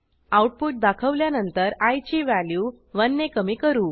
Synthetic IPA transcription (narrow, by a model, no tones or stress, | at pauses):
auʈ̚puʈ̚d̪akʰəʋljanənt̪əɾajt͡ɕiːʋæljuː | ʋənːekəmiːkəɾuː